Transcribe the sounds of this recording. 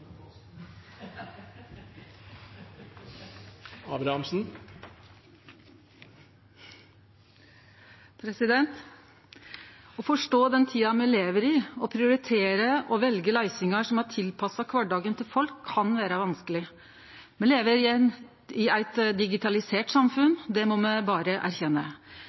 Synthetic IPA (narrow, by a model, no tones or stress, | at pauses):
ɑːbɾɑhɑmsn̩ | pʰɾɛsɪd̪ɛnt̪ | ɔfɔʂʈoːd̪ɛnt̪ʰiːɑmɛleːʋəɾɪɔpʰɾɪʊɾɪt̪ʰeːɾəʔɔʋɛlɡəlæɪsɪŋɑʂɔmæʈ̪ʰɪlpʰɑsɑkʰʋɑʈɖɑːɡənt̪ʰɪlfɔlkʰːɑnʋæːɾəʋɑnskəlɪ | mɛnleːʋəɾ | ɪæɪt̪d̪ɪɡɪt̪ʰɑlɪseːʈsɑmfʉnd̪ɛmɔmɛbɑːɾəʔæ̰ɾçɛnːə̰